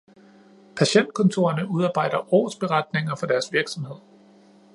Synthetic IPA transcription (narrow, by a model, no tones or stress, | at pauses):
pʰæɕen̰d̥̚kʰɔ̽nt͡sʰo̝̰ːɐnəuð̞ˠɑ̈ːb̥ɑ̈ɪ̰d̥ɐʔɒ̰ːsb̥e̝ʁɑ̈d̥̚ne̝ŋɐfɒ̽d̥æɐsʋiɐɡ̥sɒ̽mhe̝ð̞̰ˠ